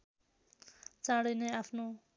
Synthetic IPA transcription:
t͡sãɽʌjneapʰno

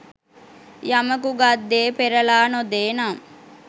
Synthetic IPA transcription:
jaməkuɡad̪ːeːpeɾɐlaːnod̪eːna

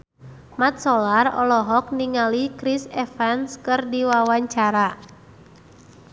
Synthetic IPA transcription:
mat̪̚solarɔ̰lɔɦɔk̚niŋalikɾisɛfɛnskɨrdiwawaɲt͡ʃaɾa

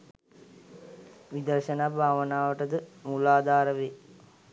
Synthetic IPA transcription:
ʋid̪ərʃənaːbʱaːʋənaːʋəʈəd̪əmulaːd̪aːɾəʋe

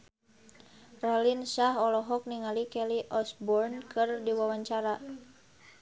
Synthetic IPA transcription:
ralinsaɦɔlɔɦɔk̚niŋalikɛliʔɔsbɔrnkɨrdiwawaɲt͡ʃaɾa

